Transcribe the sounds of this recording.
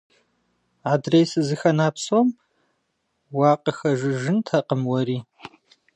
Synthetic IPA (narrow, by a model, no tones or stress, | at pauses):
aːdrejsɨzɨxɐnaːpsom | wɑːqəxɐʒɨʒɨntʰaqəmwɐɾiː